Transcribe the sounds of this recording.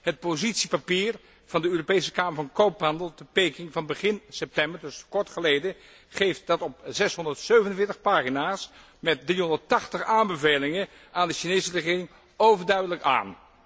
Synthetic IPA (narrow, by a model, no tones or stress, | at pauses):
ɦət̚pozitsipapiːɹ | v̥ɑndəøːropejsə̥kaːməɹvɑ̃nkowpɦɑndəlˠtəpejkɪŋvɑnbəχɪnsɛp̚tɛmbəɹdɵskɔɹtχəlejdə | χejft̚dɑtɔp̚zɛsɦɔndəɹtsøɥvənənvɪːɹtəχpaːχinaːs | mɛt̚driɦɔndəɹtɑχtəχaːmbəvejlɪŋən | aːndəʃinejsərəχɪːrɪŋ | owvəɹdœɥdələka̰ːn